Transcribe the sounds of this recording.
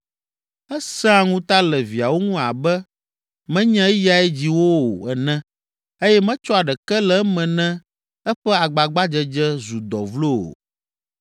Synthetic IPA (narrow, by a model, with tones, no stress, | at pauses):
ɛ˦sɛ˦a˨ŋũ˦t̪a˦lɛ˨vi˨a˨wo˦ŋũ˦a̰˨bɛ˦ | mɛ̃˦ɲɛ̃˦ɛ˦ja˨ɛ˦d͡ʑi˦wo˦o̰˨ɛ˨nɛ̃˦ | e˦jɛ˦mɛ̃˦t͡ʃɔ˦a˨ɖɛ˨kɛ˦lɛ˨˦mɛ̃˨nɛ̃˦ | ɛ˦ɸɛ˦a˨ɡ͡ba˨ɡ͡ba˦d͡ʒɛ˦d͡ʒɛ˦zu˨d̪ɔ˨vlo˦˨o̰˨